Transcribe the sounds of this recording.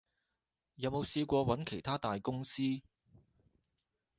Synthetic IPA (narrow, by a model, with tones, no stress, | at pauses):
jɐ˨˧wmo˨˧wsiː˧kʷɔː˧wɐ˨˥nkʰe˨˩jt̪ʰaː˥t̪aː˨jkʊ˥ŋsiː˥